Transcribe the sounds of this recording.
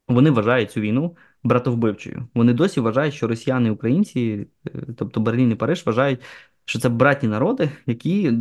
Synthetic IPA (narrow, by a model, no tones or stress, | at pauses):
ʋɔnɪʋɐʒɑjʊt̚ʲt͡sʲuʋʲijnu | bɾɑt̪ɔwbɪwt͡ʃɔ̰jʊ̰ʋɔnɪd̪ɔsʲiʋɐʒɑjʊtʲʃt͡ʃɔɾɔsʲijanɪiukɾɐjinʲt͡sʲi | t̪ɔp̚t̪ɔberlʲinipɐɾɪʒʋɐʒɑjʊt̚ʲ | t͡ʃɔt̪sɛbɾɑtʲnʲinɐɾɔd̪ɪjɐkʲi